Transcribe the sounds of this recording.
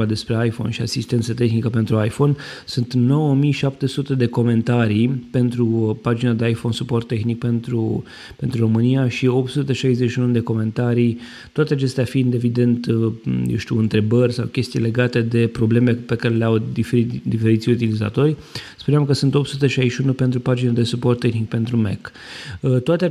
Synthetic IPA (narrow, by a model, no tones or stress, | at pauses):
ad̪e̞spɾe̞ajfo̞̰nʃiasist̪e̞nt̪sət̪e̞xnikəpe̞nt̪ɾuajfo̞nsunt̪no̞wəmijʃap̚t̪e̞sut̪e̞d̪e̞ko̞me̞nt̪aɾijpe̞nt̪ɾupad͡ʒinad̪eajfo̞nsupo̞rt̪ːe̞xnik̚pe̞nt̪ɾu | pe̞nt̪ɾuɾo̞mɨnijaʃio̞p̚t̪sut̪eʃajze̞t͡ʃiunud̪e̞ko̞me̞nt̪aɾij | t̪oat̪e̞at͡ʃe̞st̪eafind̪e̞vid̪e̞nt̪jḛwʃt̪iuɨnt̪ɾe̞bərʲsa̰wkʲe̞st̪ijle̞ɡat̪e̞d̪e̞pɾo̞ble̞melepe̞kaɾe̞leawd̪ieid̪ife̞ɾit̪sʲut̪iliza̰t̪o̞rʲ | spuneamkəsunt̪o̞pt̪sut̪eʃajʃiunupe̞nt̪ɾupad͡ʒinad̪e̞supo̞rt̪ːe̞xnik̚pe̞nt̪ɾumek | ət̪oat̪e